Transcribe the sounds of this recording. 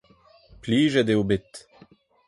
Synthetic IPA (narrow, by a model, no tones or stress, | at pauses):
pliːʒed̪eobɪt̪